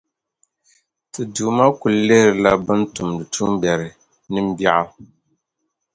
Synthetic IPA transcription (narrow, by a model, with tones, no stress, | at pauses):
tɨ˨duː˨ma˦ku˨lle˦ɾɨ˨la˦bɨ˦ntu˨mdɨ˨tu˦m˦bjɛ˨ɾɨ˨ | nɨ˦m˦ba˦ʔa˦